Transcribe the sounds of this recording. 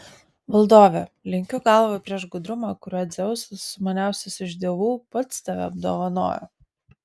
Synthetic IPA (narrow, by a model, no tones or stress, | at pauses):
ʋɐlˠd̪oːʋʲɛlʲɪŋʲkʲʊɡɑlˠʋoːpʲɾʲiɛʃɡʊd̪ɾʊmɑkʊɾʲɐd̪zʲɛʊsʲʊsʊmɐnʲæˑʊsʲʊsɪʒʲd̪ʲeɛːʋuːpɐt̪st̪ɐʋʲɛ̰ɐb̚d̪o̰ːʋɐno̰ːjo̰